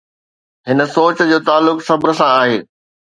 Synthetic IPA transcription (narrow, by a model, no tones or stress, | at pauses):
ɦɪnə̆soːt͡ɕd͡ʑoːt̪aːlːʊksɐbɾə̆sãaːɦeː